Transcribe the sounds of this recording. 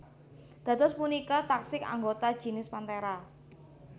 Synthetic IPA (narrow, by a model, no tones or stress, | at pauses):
d̪̥ä̤t̪ʊspunikat̪aksɪka̰ŋɡot̪ḁʒ̥i̤nɪspant̪eɾa